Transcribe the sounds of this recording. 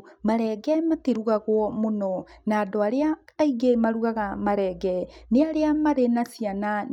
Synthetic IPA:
maɾɛɡɛmatiɾuɣaɣwɔmonɔnaːdoaɾeaːiɡemaɾuɣaɣamaɾɛɡɛneaɾeamaɾenasiana

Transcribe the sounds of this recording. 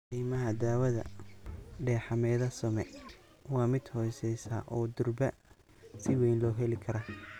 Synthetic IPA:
qiːmɐɦɐd̪aːwɐðɐ̰ | ɖɛːħɑmɛːðɐsɔmɛ | wɑːmɪd̪hɔːjsɛjsɐ̰ʔɔːd̪ʊrbɐ | sɪwɛjnlɔːɦɛlɪkʰɐɾɐ

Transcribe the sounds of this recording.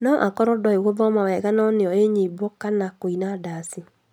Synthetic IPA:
nɔʔa̰kɔɾɔdɔeɣovɔmawɛɣanɔnɪɔeɲebokanakoinadasi

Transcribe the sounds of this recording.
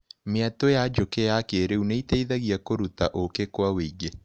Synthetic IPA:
meatojad͡ʒokejakeɾeuneiteiðaɣiakoɾutaʔokekwaweiɡe

